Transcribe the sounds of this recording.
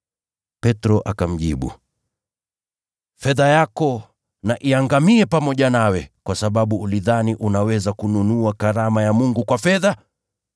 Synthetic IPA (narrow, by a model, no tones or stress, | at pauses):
pɛtɾɔʔakam̩ʄiɓṵ | fɛðajakɔ | naʔiaŋɡamiɛpamɔʄanawɛkwasaɓaɓuːliðaniʔunawɛzakununuakaɾamajamuŋɡukwafɛða